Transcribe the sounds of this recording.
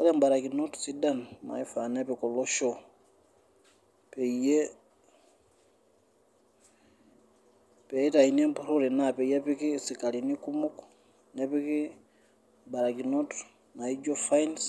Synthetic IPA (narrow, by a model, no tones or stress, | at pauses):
ka̰lembaɾakinotu̥sidanma̰ifanepikoloʃo | peije | peitainembuɾuɾinapejepikisikalinikumuk | nepiki | mbaɾakinot | naid͡ʒofains